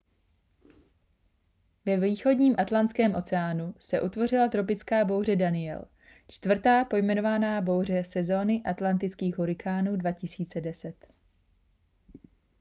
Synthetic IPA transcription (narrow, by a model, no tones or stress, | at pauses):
vɛviːxo̞dɲiːmʔat̪lant̪t͡sskɛːmʔo̞t͡sɛaːnusɛʔut̪vo̞rɪlat̪ɾo̞p̬ɪt͡skaːbo̞wr̝ɛdanɪjɛ̰l | t͡ʃt̪vr̩t̪aːpo̞jmɛno̞vanaːbo̞wr̝ɛsɛzo̞ːnɪʔat̪lant̪ɪt͡skiːɣɦuɾɪkʰaːnuːdvacɪsiːt͡sɛdɛsɛt̪